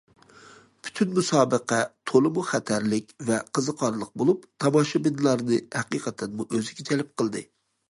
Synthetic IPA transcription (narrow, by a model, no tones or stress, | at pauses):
pʰy̥t̪ʰynmusɑːbəqɛt̪ʰolˠɨmuχæt̪ʰæɾlɪkʲvɛqʰəzɨqʰɑɾlˠəq̚bolˠupt̪ʰɑmɑʃɑbɪnlˠɑɾnɨhɛqiqʰɛt̪ʰɛnmuʔøzɪɡʲɛt͡ʃʰɛlɪp̚qʰəlˠd̪ɨ